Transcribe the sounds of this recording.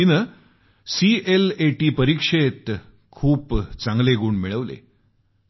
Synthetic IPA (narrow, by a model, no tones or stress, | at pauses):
inə | siʔeleʈiːpəɾikʂet̪ | kʰuːpt͡saŋɡleɡuːɳmiɭəʋlḛ